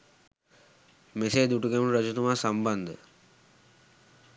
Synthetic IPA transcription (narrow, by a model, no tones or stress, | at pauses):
meseːd̪uʈukemuluɾəd͡ʒut̪umaːsamband̪ə̰